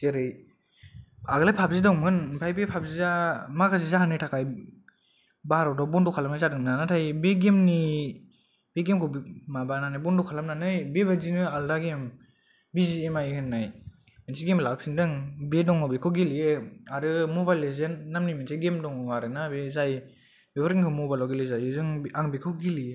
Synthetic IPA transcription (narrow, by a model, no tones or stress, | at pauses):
teɾɯj | aɡɯlajpʰap̚zidɔŋmɯnbʰajbepʰap̚zizamakʰasizahanɯjtʰakʰaj | baaɾɔwdɔbɔndukʰalamnazadɯŋmnanatʰajbeɡemni | b̥eɡemkʰɔbmabananajbɔndɔkʰalamnanɯjbebazinɯaldaɡem | biziemajkʰɯnːaj | mensiɡemlap̚sindɯŋbedɔŋɔbekʰɯwɡelijeaɾɯmɔbajlezenːamnimensaɡemdɔŋɔaɾɯnabezaj | bebaɾɡiŋkʰɯmɔbajlɔwɡelɯzajɯzɯŋaŋbekʰɯwɡilie